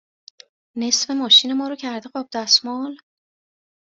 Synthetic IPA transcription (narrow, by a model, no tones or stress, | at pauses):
ne̞sfe̞mɒːʃiːne̞mɒːɾocʰæɾd̪eɢɒːb̚d̪æsmɒːl